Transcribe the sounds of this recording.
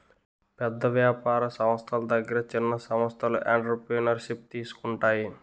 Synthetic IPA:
pɛd̪ːɐʋjaːpaːɾɐsɐmɐst̪ʰɐlɐd̪ɐɡːɐɾɐt͡ʃinːɐsɐmɐst̪ʰɐlṵʔeːɳʈɐɾpɾiːnɐɾʃip̚t̪iːsu̥kuɳʈaːji

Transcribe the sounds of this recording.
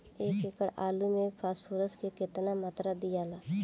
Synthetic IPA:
eːkɪkəɽa̰ːlumẽpʰaːspʰoːɾəskekɪt̪namaːt̪ɾad̪ijaːlaː

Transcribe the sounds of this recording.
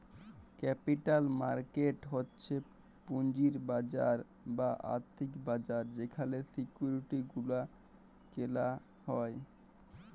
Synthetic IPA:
kɛpiʈalmaɾkeʈɦotːɕʰe | puɲd͡ʑiɾbad͡ʑa̰ɾ | baʔa̰ɾt̪ʰikbad͡ʑaɾd͡ʑekʰalesikjuɾiʈiɡula | kela | hɔe

